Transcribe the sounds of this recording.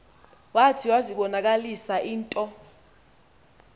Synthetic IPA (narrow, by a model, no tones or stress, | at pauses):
watʰiwaziɓɔnak̬alisaʔiːntʼɔ